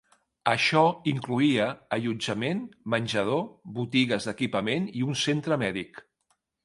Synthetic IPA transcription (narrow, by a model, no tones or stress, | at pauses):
əʃɔiŋkluiəːʎud͡ʒəmenmənʲʒəð̞oβut̪iɣəzðəkipəmeniunsent̪ɾəmɛðik